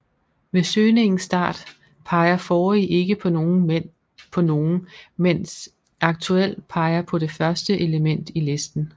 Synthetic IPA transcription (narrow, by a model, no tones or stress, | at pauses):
ʋe̝søːne̝ŋn̩sd̥ɑ̰̈ːd̥ | pʰɑ̈ɪɐfɒːiʔe̝ɡ̥əpʰɒ̽oːn̩ | pʰɒ̽no̝ːn̩men̰s | ʔɑ̈ɡ̥̚t͡sʰuel̰̥pʰɑ̈ɪɐpʰɒ̽de̝fɶɐsd̥əʔeləmen̰d̥ile̝sd̥n̩